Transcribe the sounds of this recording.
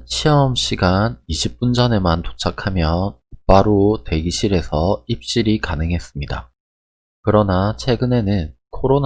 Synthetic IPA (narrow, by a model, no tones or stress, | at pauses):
t͡ɕʰiʌmɕ͈ʰiɡaniɕʰip̚p͈und͡ʑʌne̞manto̥t͡ɕʰakʰamjʌnp͈aɾote̞ɡiɕʰiɾe̞sʰʌip̚ɕ͈iɾikanɯŋɦe̞s͈ɯmɲida̰ | kɯɾʌnat͡ɕʰwe̞ɡɯne̞nɯn | kʰoɾon